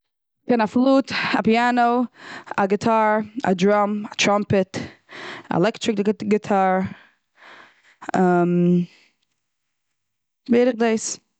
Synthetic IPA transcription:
kɛnaflˠuːtapianoʊaɡɪtʰaɹa̰dɾɔmatʰɾampɛt | a̰ɛ̰lɛktɾɪk̚ɡɪtʰaɹ | am | beɪɾɪχdeɪs

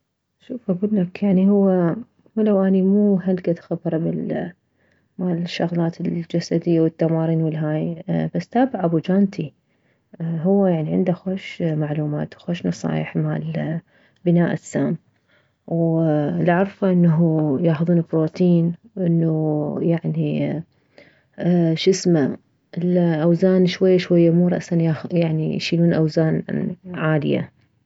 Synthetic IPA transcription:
ʃuːfʔaɡuːlːakjaʕnihʊwːa | lawʔanimuːɦalɡad̪xabɾˤbɪl | maːlɪʃːaɣlɑːt̪ɪld͡ʒasad̪ɪjːawɪt̪ːamɑːɾiːnwɪlɦaːjbasːt̪aːbaʕabud͡ʒaːnt̪ʰi | ɦʊwːajaʕniʕɪ̰nd̪axoːʃmaʕluːma̰ːt̪xoːʃnɑsˤɑ̰ːjɪħma̰ːl | bɪnaːʔɪsːaːm | wlʕɑɾˤfaʔɪnːaɦujaːxðˤuːnɪbɾoːt̪ʰiːnwʔɪnːujaʕni | ʃɪsma | lʔawzaːnʃwajːaʃwajːamuːɾˤɑ̰ʔsanjajaʕnijʃiːluːnʔawzaːnʕaːlɪ̰ja̰

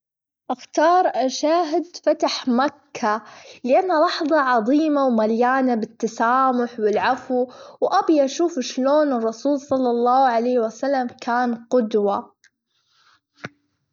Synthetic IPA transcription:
ʔaxt̪ɑːɾˤʔaʃaːɦɪd̪fat̪aħmakʰːalɪʔanːalɑħðˤɑʕɑðˤiːmawmaljaːnabɪt̪ːasaːmʊħwɪlʕafuwʔabjaʔʃuːfʃloːnɨrˤːɑsuːlsˤɑlːɑlˤːɑːʕalaːwasalːamkaːnqʊd̪wa

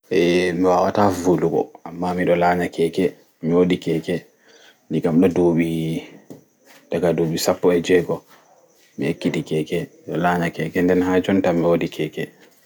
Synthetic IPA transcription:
ʔɛmiwawa̰tavuluɡɔ̰amːamiɗɔlaɲakɛːkɛ | miwoɗikɛːkɛ | ndiɡamɗɔdoɓi | daɡadoɓisapːɔɛd͡ʒɛɡɔ | mḭhekːiɗikɛːkɛmɗɔ̰laːɲakɛːkɛndɛnɦaːd͡ʒɔntamiwodikʰɛːkɛ

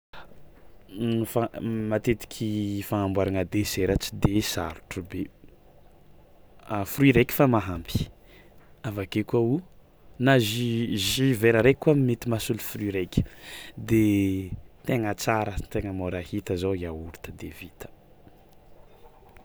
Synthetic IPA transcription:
famat̪et̪i̥kʲʰifaŋambwaɾaŋəd̪eseɾat͡si̥d̪esa̰ɾu̥ʈ͡ʂube | afriɾekʲi̥famaɦampi̥ | avakekuau | naʒiʒiveɾəɾekuamimet̪imasulufriɾekʲi̥d̪e | t̪eŋət͡saɾət̪eŋəmoɾahit̪əzaiauɾut̪əd̪evit̪ə̥

